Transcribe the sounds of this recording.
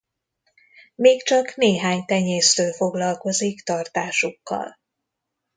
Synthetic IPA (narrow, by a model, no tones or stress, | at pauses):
meːkt͡ʃɒkneːɦaːɲt̪ɛɲeːst̪øːlfo̞ɡlɒlko̞zikt̪ɒrt̪aːʃukːɒ̰l